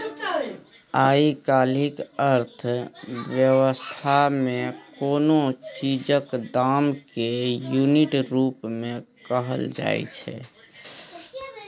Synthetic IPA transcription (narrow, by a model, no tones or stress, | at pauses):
aikalikəɾt̪ʰʋjəwəst̪ʰamekonot͡ʃid͡ʒəkd̪amkejuniʈɾupmẽkəɦəld͡ʒa̰jt͡ʃʰɛ̰